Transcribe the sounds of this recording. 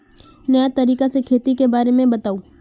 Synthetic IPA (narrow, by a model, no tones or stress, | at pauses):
nɐjat̪ɐɾiːkasekʰeːt̪ikebaːɾemẽbɐt̪aːuː